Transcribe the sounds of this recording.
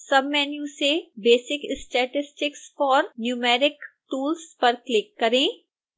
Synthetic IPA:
sɐbmɛːnjusebeːsɪkɪsʈɛːʈɪsʈɪksfɔːɾnjuːmɛːɾɪkʈuːlspɐɾklɪkːɐɾẽː

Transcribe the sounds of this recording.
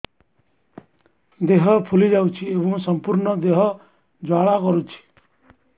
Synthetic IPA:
d̪eɦɔpʰulid͡ʒawt͡ʃʰiebɔ̃sɔmpuɾnɔd̪eɦɔ | d͡ʒaɽakɔɾut͡ʃʰi̥

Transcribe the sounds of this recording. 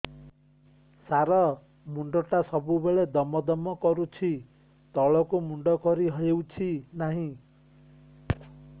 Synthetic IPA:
saɾɔ | muɳɖɔʈasɔbubeɭed̪ɔmɔd̪ɔmɔkɔɾut͡ʃʰi | t̪ɔɭɔkumuɳɖɔkɔɾiɦɔjewt͡ʃʰinaɦĩ

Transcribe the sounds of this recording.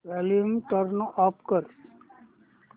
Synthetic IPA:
ɛliəmʈəɾnɔːpkəɾ

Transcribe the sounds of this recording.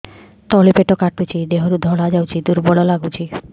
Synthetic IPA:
t̪ɔlipeʈɔkaʈut͡ʃʰid̪eɦɔɾud̪ʱɔɽad͡ʒawt͡ʃʰid̪uɾbɔɭɔlaɡut͡ʃʰi

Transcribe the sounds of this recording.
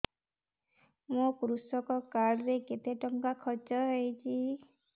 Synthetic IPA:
mukɾusɔkɔkaɽɾeket̪eʈɔŋkakʰɔt͡ʃɔɦejt͡ʃʰi

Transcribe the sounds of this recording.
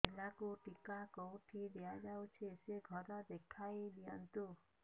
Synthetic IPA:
elakuʈikakowʈʰid̪ejad͡ʒawt͡ʃʰieseɡʱɔɾɔd̪ekʰajlijɔnt̪u

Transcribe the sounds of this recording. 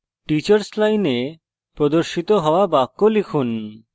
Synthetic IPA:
ʈit͡ɕaɾslajne | pɾod̪oɾʃit̪oɦɔoabakːolikʰun

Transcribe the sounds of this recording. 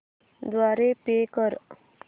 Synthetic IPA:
d̪ʋaɾepekəɾ

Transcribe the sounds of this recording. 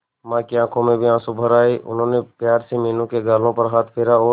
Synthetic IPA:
mãːkiãːkʰõmẽbʱiãːsʊbʱəɾaːiʔʊ̰nɦõːnepjaːɾsemeːnũkeɡaːlõpəɾɦaːt̪ʰpʰeːɾaɔː

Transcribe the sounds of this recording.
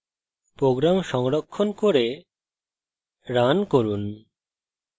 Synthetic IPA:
pɾoɡɾamʃɔŋɾokʰːonkoɾe | ɾankoɾun

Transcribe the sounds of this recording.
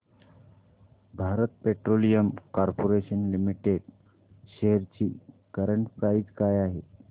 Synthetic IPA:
bʱaɾət̪̚peʈɾolijəmkaɾpoɾeɕənlimiʈeɖ | ɕeɦəɾt͡ɕiː | kəɾəɳʈkaɾiːt͡skajaɦe

